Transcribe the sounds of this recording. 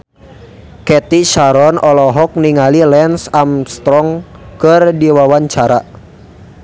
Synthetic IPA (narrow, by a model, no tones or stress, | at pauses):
kɛt̪iʃaɾɔnɔlɔɦɔk̚niŋalilɛnsamst̪ɾɔŋ | kɨrdiwawaɲt͡ʃaɾa